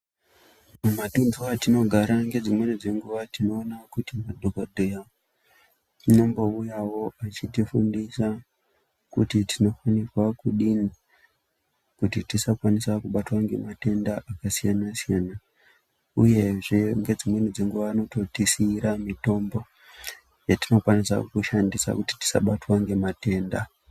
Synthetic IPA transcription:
mumatunduatino̞ɡʱaɾaŋɡe̞d͡zimwe̞nid͡ze̞ŋɡuʋatino̞ːnakutimadʱokodʱoja | unombo̞ujawo̞at͡ʃitifundisa | kṵtitino̞fanirwakuɗini | kutitisakwanisakuɓatwaŋɡe̞̰mate̞ndaʔakasijanasijana | uje̞ʐeŋɡe̞d͡zimwenid͡zeŋɡuʋaːno̞to̞tisiɾamito̞mbo̞ | jatino̞kwanisa̰kuʃandisa̰kuti̥ti̥sa̰ɓatwaŋɡe̞mate̞ːnda

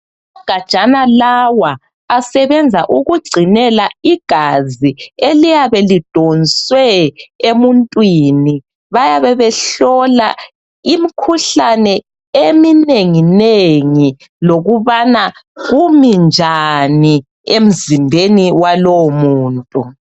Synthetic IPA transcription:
aɡ̥ʱḁʒ̥ʱʼanalawaː | sɛβɛnd͡zʱaʔuɣuɡ͡ǀʱinɛlaiɡ̥ʱazielijaβɛlid̥ʱɔnswɛemuntʼwini | βajaβɛβɛɬɔla | imikʰuɬanɛ | emineŋineŋi | loɣuβanaɣumind͡ʒʱani | em̩zimbʱeniwalowmuːntʼu

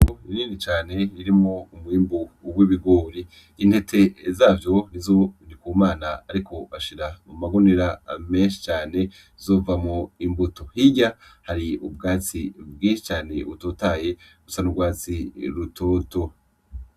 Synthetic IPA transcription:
oiniːnit͡ʃaːne̞iɾimoumuhiːmbuwiβiɡoːɾiː | n̥he̞tʰe̞zaːvjo̞nizonikuːmaːnaaɾikʰo̞aʃiɾamumaɡoniɾame̞ːnʃi̥t͡ʃaːne̞ | zoːvamoimbutohiɟahaɾiub̚ɡaːt͡sibɡiːnʃi̥t͡ʃaːne̞utotaːje̞ | usanuɡwaːt͡siɾutoːto

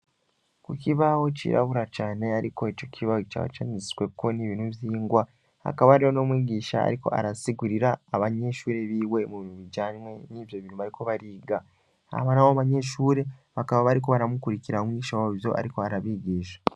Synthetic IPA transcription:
kukiβawo̞cḭɾa̰βuɾat͡ʃaːne̞aɾiko̞eco̞cʰiβawokita̰wo̰t͡ʃanisi̥we̞ko̞niβinuvjiːŋɡwa | ha̰kaβaɾejono̞mwiːɡiːʃa̰a̰ɾiko̞̰ʔa̰ɾasiɡuɾiɾaːβaɲe̞ʃuːɾe̞βiːwe̞muβinuβiɟaːɲmwe̞nivjo̞βinuβaɾikʰo̞βaɾiːɡa | a̰βanawoβaɲe̞ʃuːɾe̞βakaβaβaɾiko̞βaɾamukuɾiciɾaomwiɟiʃawaβivjo̞̰ʔa̰ɾiko̞aɾaβiːɡiːʃḁ

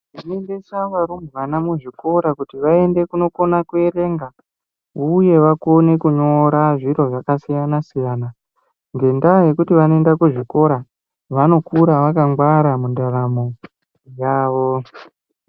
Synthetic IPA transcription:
inendesaʋaɾumuʋanamuʐiko̞ɾakutiʋae̞nde̞kuno̞ko̞nakue̞ɾe̞ŋɡa | uje̞ʋakone̞kuɲo̞ɾaʐiɾo̞ʐakasijanasijaːna | ŋɡe̞ndaje̞kutiʋanoe̞ndakuʐiko̞ɾa | ʋano̞kuɾaʋakaŋɡwaɾamundaɾamo̞ | jaːʋo̞

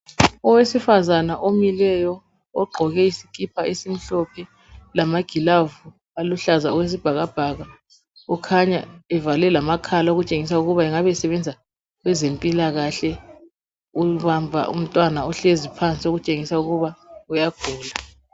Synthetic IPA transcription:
ɔwesifazanaʔomilɛjɔ | ɔɡ͡ǃʱɔɣɛisi̥kʰʼipʰaesim̩ɬɔpʰɛ | lamaɡ̥ʱilavu | aluɬazaɔwes̬ib̥ʱaɣab̥ʱaɣa | ɔkʰaɲa̰ɛvalɛlamakʰalaoɣut͡ʃʼeŋisauɣuβaɛŋaβɛsɛβɛnd͡zʱa | ɣwɛzempʼilaɣaɬɛ | uβambʱa̰ʔṵm̩tʼwanaɔɬezipʰant͡sʼioɣut͡ʃʼeŋisauɣuβaujaɡ̥ʱuːla

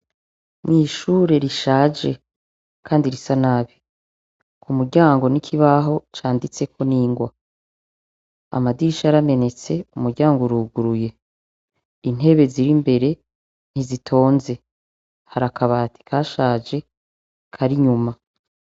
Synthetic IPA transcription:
mŋiːʃuːɾe̞ɾiʃaːd͡ʒe̞ | kʰaːndiɾisanaβi | kumuɾɟaːŋɡo̞nikʰiβaɦo̞t͡ʃaːndit͡se̞kʰo̞niːŋɡwa | a̰madiʃaɾame̞ne̞t͡se̞umuɾɟaːŋɡuɾuːɡuɾuje̞ | in̥e̞βe̞ziɾimbe̞ɾe̞ | n̥izitʰo̞ːnze̞ | haɾakaβaːti̥kʰaʃaːd͡ʒe̞ | kʰaɾiɲuma

